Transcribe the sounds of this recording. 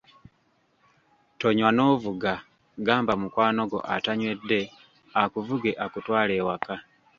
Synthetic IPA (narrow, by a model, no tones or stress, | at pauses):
toɲwano̞ːvuɡa | ɡaːmbamukwaːno̞ɡo̞̰ʔataɲwe̞dːe̞ | akuvuɡe̞ʔakutwaːle̞ːwaka